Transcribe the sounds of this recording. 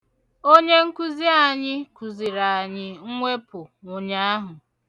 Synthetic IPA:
o˦ɲe˦ŋ̩˦ku˦zi˦a˨ɲɪ˦ku˨zi˨ɾa˨a˨ɲɪ˦ŋ̩˦ŋʷe˦pʊ˨ŋo˨ɲa˦a˦ɦʊ˨

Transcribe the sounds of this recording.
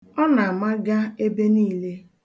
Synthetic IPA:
ɔ˦na˨a˨ma˦ɡa˦e˦be˦niː˦le˦

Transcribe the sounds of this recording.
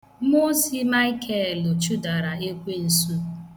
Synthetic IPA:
mo˦si˦ma˦ɪ˦kʰɛ˦˨lʊ˨t͡ʃu˦da˨ɾa˨e˦kʷe˦n̩˨su˦

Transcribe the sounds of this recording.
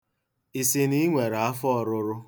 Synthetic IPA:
i˨si˨ni˦ŋʷe˨ɾa˦fɔ˦ɔ˨ɾʊ˦ɾʊ˦

